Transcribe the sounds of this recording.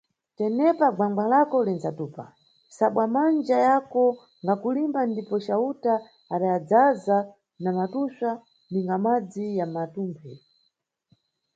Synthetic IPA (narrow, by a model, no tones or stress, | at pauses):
tɛnɛpaɡaŋɡalakɔlinzatuːpa̰ | saɓwamand͡ʒajakɔ | ŋɡakulimbandipɔt͡ʃautaː | ɗajad͡zaza | namatusa | niŋɡamad͡zijamatuːmpʰɛ